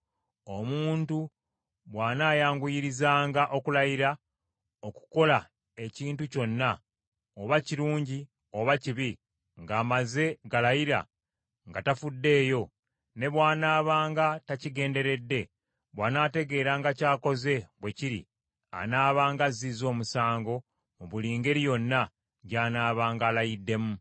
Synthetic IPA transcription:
o̞muːntu | βwaːnaːjaːŋɡujiɾizaːŋɡaʔo̞kulajiɾa | oku̥ko̞la | e̞ciːntuco̞nːa | oβaciɾuːɲɟi | o̞βaciβi | ŋɡaːmaze̞ɡalajiɾa̰ | ŋɡatafudːe̞ːjo̞ | ne̞βwaːnaːβaːŋɡataciɡe̞ːnde̞ɾe̞dːe̞ | βwaːnaːte̞ɡe̞ːɾaŋɡacaːko̞ze̞βwe̞ciɾḭ | a̰naːβaːŋɡazizo̞ːmusaːŋɡo̞ | muβuliːŋɡe̞ɾijo̞nːa | ɟaːnaːβaːŋɡaːlajidːe̞mu

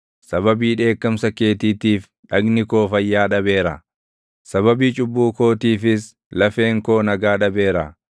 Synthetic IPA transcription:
sɐbɐbiːᶑe̞ːkːɐmsɐke̞ːt̪iːt̪iːf | ᶑɐɡnɪko̞ːfɐjːaːᶑɐbe̞ːɾɐ | sɐβɐbiːt͡ʃʼʊbːuːko̞ːt̪iːfɪs | lɐfe̞ːŋko̞ːnɐɡaːᶑɐbe̞ːɾɐ

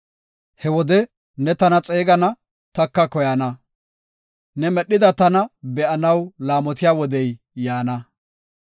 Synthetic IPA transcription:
hɛwɔd̪ɛ | nɛt̪ɐnɐt͡sʼeːɡɐnɐ | t̪ɐkːɐkɔjɐnɐ | nɛmɛɗːɪd̪ɐt̪ɐnɐbɛʔɐnɐwlaːmɔt̪ɪjaːwɔd̪ɛj | jaːnɐ

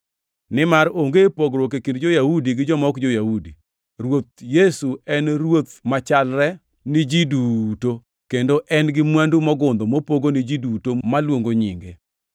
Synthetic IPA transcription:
nɪmaɾoŋɡepoɡɾok̬ekindd͡ʒojahudiɡɪd͡ʒɔmɔkd͡ʒojahudi | rwot̪̚jesuɛnɾwot̪̚mat͡ʃalɾɛ | nɪd͡ʒiduto | kendoʔɛnɡɪmwandumɔɡʊnd̪ɔmopoɡonɪd͡ʒidutomalwoŋɡoɲḭŋɡḛ

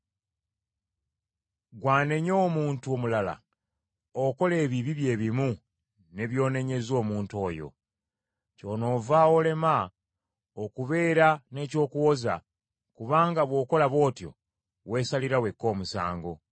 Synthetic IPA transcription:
ɡwaːne̞ɲo̞ːmuːntuomulala̰ | oko̞le̞ːβiβiβje̞ːβimu | ne̞βjo̞ːne̞ɲe̞zo̞ːmuːnto̞ːjo̞̰ | co̞no̞ːvao̞le̞ma | okuβe̞ːɾane̞ːco̞ːkuwo̞za̰ | kuβaːŋɡaβwo̞ːko̞laβo̞ːtjo̞̰ | we̞ːsaliɾawe̞kːo̞ːmusa̰ːŋɡo̞

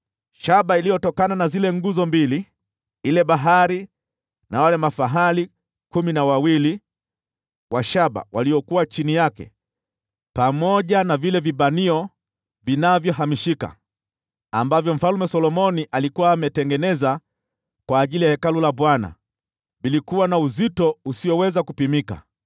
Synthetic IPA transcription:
ʃaɓailijɔtɔkananazilɛŋɡuzɔmbili | ilɛɓaɦaɾi | nawalɛmafaɦali | kuminawawili | waʃaɓa̰waliɔkuwat͡ʃinijakɛ̰ | pamɔʄanavilɛvibaniɔ | vinavjɔɦamiʃika̰ | ambavjɔm̩falumɛsɔlɔmɔniʔalikuwaːmɛtɛŋɡɛnɛza | kwaːʄilijahɛkalulabwana̰ | bilikuwanauzitɔusiɔwɛzakupimika̰

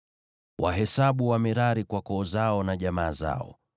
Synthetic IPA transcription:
wʔa̰ɦɛsaɓuwamɛɾaɾikwakɔːzaɔnaʄamaːza̰ɔ̰

